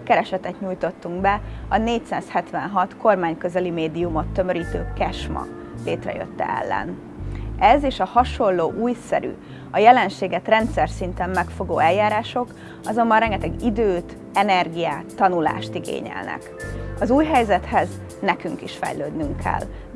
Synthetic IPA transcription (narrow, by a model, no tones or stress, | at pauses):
kɛɾɛʃɛt̪ɛt̪ɲuːjt̪o̞t̪ːuŋɡbɛɒneːcsa̰ːshɛt̪ʋɛnɦɒt̪ko̞rmaːɲkøzɛlimeːd̪iumo̞t̪ːø̞møɾiːt̪øːkɛʃmɒ̰ | leːt̪rɛ̰jø̰t̪ːɛ̰ɛ̰lːɛ̰n | ɛzeːʃɒhɒʃo̞lːoːʔuːjsɛ̰ɾy̰ | ɒjɛlɛnʃeːɡɛt̪rɛnt̪sɛrsint̪ɛmːɛkfo̞ɡoːɛjːaːɾaːʃo̞k | ɒzo̞mbɒnrɛŋɡɛt̪ɛɡid̪øːt̪ | ɛnɛrɡijaːt̪ːɒnula̰ːʃt̪iɡḛːɲɛ̰lnɛ̰kɒzuːjɦɛjzɛt̪hɛz | nɛkyŋkiʃfɛ̰jløːd̪nyŋkʰɛ̰l